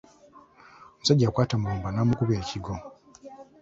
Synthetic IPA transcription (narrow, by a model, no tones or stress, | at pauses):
omusaɟːaːkwaːtamuluːmbanaːmukuβe̞ːcʰiɡo̞